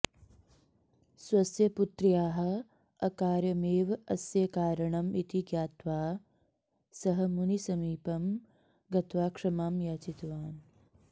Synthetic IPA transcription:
swɐsjɐput̪ɾijaːɦɐ̆ | ɐkaːɾjɐmeːʋɐsjɐkaːɾɐɳɐmit̪iɡjaːt̪ʋaː | sɐɦɐ̆munisɐmiːpɐm | ɡɐt̪ʋaːkʂɐmaːmjaːt͡ʃit̪ʋaːn

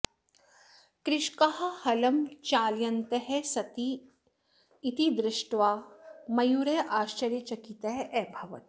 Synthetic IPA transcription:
kɾɪʃkɐɦɐ̆hɐlɐmt͡ʃaːljɐnt̪ɐɦesɐt̪i | t̪id̪ɾɪʂʈʋaːmɐjuːɾeʔaːʃt͡ʃɐɾjɐt͡ʃɐkit̪ɐɦeʔɛːbʱɐʋɐ̰t̪

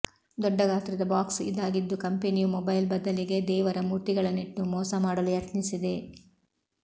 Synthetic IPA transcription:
d̪ɔɖːɐɡaːt̪ɾɛd̪ɐbaːksḭd̪aːɡid̪ːukɐmpenijumɔbɐjlbɐd̪ːɐliɡe̞d̪ɛːʋɐɾɐmuːɾt̪iɡɐɭɐniʈnumɔːsɐmaːɽɐlujɐt̪nisid̪e̞

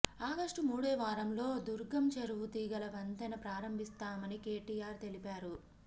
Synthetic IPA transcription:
aːɡɐʂʈumuːɽeːʋaːɾɐmlo̞ːd̪uɾɡɐmt͡ʃɐɾuʋut̪iːɡɐlɐʋɐnd̪ɐnɐpɾaːɾɐmbʱist̪aːmɐnike̞ːʈiːaːɾt̪e̞lipaːɾu

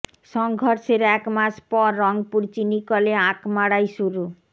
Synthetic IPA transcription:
ʃɔŋɡʱɔɾʃeɾɛkmaʃpɔɾːɔŋpuɽt͡ɕinikoleãkmaɽajʃuɾu

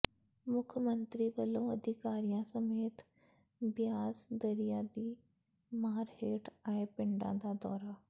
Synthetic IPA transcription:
mʊkʰmənt̪ɾiːbəlõːəd̪ʱɪkaːɾijãsəmeːt̪ | bɪjaːsd̪əɾijaːd̪iː | maːɾheːʈʰaːepɪ̃ɳɖã̰d̪ad̪ɔːɾaː

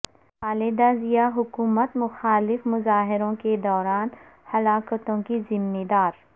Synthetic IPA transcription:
aːlɪd̪azijaɦʊkuːmət̪mʊxaːlɪfmʊzaːɦɪɾõked̪ɔːɾaːn | hɐlaːkət̪õkizɪmːɪd̪aːɾ

